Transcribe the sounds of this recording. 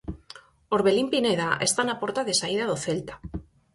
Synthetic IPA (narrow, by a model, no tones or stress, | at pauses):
oɾβelimpineðaʔest̪anapoɾt̪aðesaið̞aðoθelt̪ḁ